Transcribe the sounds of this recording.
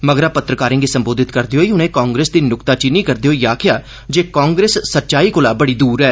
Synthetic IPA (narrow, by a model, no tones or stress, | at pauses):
məɡɾaːpət̪ɾəkaːɾɪ̃ːŋɡiːsəmboːd̪ɪt̪kəɾd̪eɦoːiːʊnẽːkaːŋɡɾeːsd̪iːnʊkt̪aːt͡ʃiniːkəɾd̪eːɦoːiːaːkʰɪjaː | d͡ʒeːkãːŋɡɾeːsːət̪ːʃaːiːkolaːbəɽiːd̪uːɾɛː